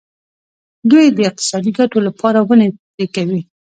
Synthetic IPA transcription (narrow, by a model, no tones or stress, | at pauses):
d̪ujd̪əɪq̚t̪ɪ̥sɑd̪iɡaʈolapʰɑɾawəne | ekawi